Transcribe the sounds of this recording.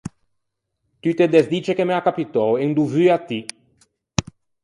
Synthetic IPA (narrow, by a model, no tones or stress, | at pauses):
t̪yt̪ed̪ezd̪it͡ʃekemeakapit̪ɔweŋd̪uvyat̪i